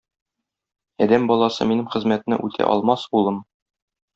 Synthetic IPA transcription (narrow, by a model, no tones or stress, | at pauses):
æd̪æmbɒlˠɑsɤ̰minɘmχɘ̆zmæt̪̆nɘ̰ʔʉt̪ʰæ̰ʔɒ̰lˠmɑsbulˠɤm